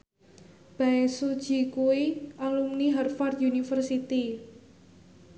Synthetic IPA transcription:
b̥aesud̥ʒ̥i̤kuiʔalumniɦarfard̪unifərsit̪i

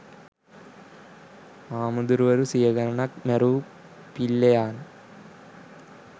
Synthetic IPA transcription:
aːmɐd̪uɾuʋɐɾusijɐɡɐɾɐnɐk̚meɾuː | pilːɐjaːn

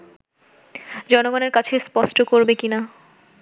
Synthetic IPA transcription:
d͡ʑɔnoɡɔneɾkat͡ɕʰespɔʃʈokoɾbekina

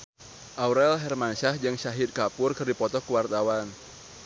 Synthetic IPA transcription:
ʔauɾɛlɦɛrmanʃahd͡ʒɨŋʃaɦid̪̚kapʊrkɨrdipɔt̪ɔkuwart̪awan

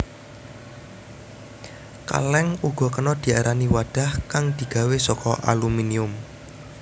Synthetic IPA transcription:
ka̰lɛŋuɡ̥ɔ̤kənɔd̪̥i̤aɾaniwaɖ̥a̤hkaŋd̪̥i̤ɡ̥a̤wesɔkɔʔa̰luminiʊm

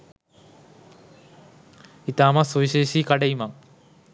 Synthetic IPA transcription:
it̪aːmɐsuʋiɕeːɕikɐɽejumɐŋ

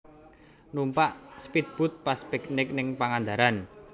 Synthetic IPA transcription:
numpaʔspit̪̚b̥ʊ̤t̪̚paspɛknɪk̚nɪŋpaŋand̪aɾan

